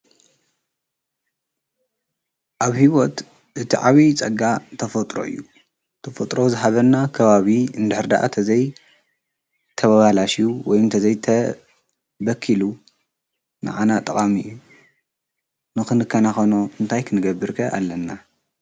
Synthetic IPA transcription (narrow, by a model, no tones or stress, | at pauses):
ʔaβhiwot̪ | ʔɨt̪ʰiʕaβit͡sʼɐɡat̪ʰɐfot̪ʼɾo̞̰ʔɨ̰jːu | t̪ʰɐfɐt̪ʼɾo̞zɨɦaβɐnːakʰɐβaβiɨnd̪ɨħɨɾd̪a̰ʔa̰t̪ʰɐzɐj | t̪ʰɐβaβalaʃijuwɔjɨnt̪ʰɐzɐjt̪ʰɐ | bɐkʰːilu | na̰ʕanat̪ʼɐχʼamɨjːu | nɨxɨnɨkʰːanaxonoɨnt̪ʰajkʰɨnɨɡɐbɨɾkʰɐʔa̰lːɐnːa